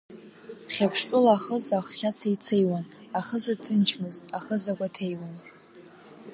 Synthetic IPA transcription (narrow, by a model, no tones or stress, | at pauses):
χʲapʰʂtʼʊlaːχəzaχʷːʲat͡sʰajt͡sʰejwanaχəzatʰɨnt͡ʃʰmɨzaχəzakʷʼatʰejwan